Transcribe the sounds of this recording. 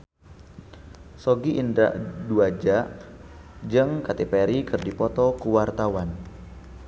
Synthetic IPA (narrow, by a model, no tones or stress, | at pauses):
sɔɡiʔindɾa̰ʔduad͡ʒaʔ | d͡ʒɨŋkat̪epeɾikɨrdipɔt̪ɔkuwart̪awan